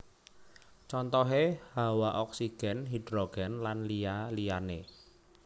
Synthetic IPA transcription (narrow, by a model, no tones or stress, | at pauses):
t͡ʃɔnt̪ɔɦehawaʔɔk̚siɡ̥ɛ̤nɦidɾɔɡ̥ɛnlanlijalijane